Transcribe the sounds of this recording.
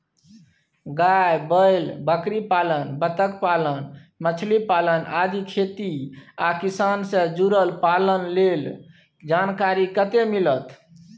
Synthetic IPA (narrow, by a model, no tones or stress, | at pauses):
ɡajbəjlbəkɾipalənbət̪əkpalənmət͡ʃʰlipalənad̪ikʰet̪iakisansẽd͡ʒuɾəlpalənlel | d͡ʒankaɾikət̪emilət̪